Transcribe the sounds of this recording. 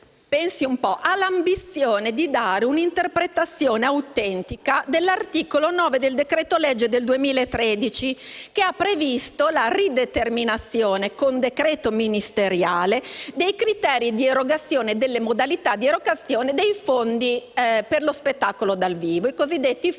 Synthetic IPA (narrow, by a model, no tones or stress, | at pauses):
pɛnsiumpɔʔalːambit̪sːjoːned̪id̪aːɾeunint̪erpɾet̪at̪sːjoːneawt̪ɛnt̪ikad̪elːart̪iːkolonɔːved̪eld̪ekɾɛːt̪olɛd͡ʒːed̪eld̪uemiːlaet̪ːɾɛd̪it͡ʃikeapːɾevist̪olarid̪et̪erminat̪sːjoːnekond̪ekɾɛːt̪ominist̪eɾjaːled̪ejkɾit̪ɛːɾid̪ieɾoɡat̪sːjoːneːd̪elːemod̪alit̪ad̪ieɾoɡat̪sːjoːned̪ejfond̪iperlospet̪ːakolod̪alviːvoikozid̪ːet̪ːi